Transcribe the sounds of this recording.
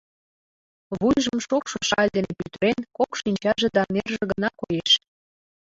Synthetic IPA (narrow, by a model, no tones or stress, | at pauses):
βujʒəmʃokʃoʃɑlʲd̪enepyt̪əɾenkokʃinʲt͡ɕɑʒĕd̪ɑnerʒĕɣənɑkojeʃ